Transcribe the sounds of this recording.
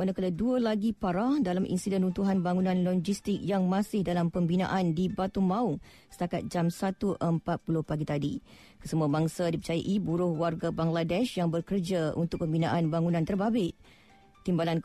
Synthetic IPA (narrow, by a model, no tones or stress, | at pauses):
anakaladuəlaɡipaɾahdalamʔḭnsidɛnunt̪uɦanbaŋunãnlɔd͡ʒist̪ɪk̚jaŋmãsɪhdalampəmbina̰ʔandibat̪umãu | sə̥t̪akat̪̚d͡ʒamsat̪uʔəmpat̪̚pulʊhpaɡit̪adi | kəsəmuabaŋsadipərt͡ʃajaʔibuɾʊhwarɡabaŋladɛʃjaŋbərkərd͡ʒaṵnt̪ʊk̚pəmbinãʔanbaŋunãnt̪ərbabɪʔ̚ | t̪ːimbalan